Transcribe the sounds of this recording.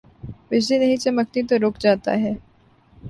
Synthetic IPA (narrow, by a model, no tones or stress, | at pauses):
ʋɪd͡ʒlinɐɦĩt͡ʃɐməknit̪oɾoːkd͡ʒaːt̪a̰ɦɛː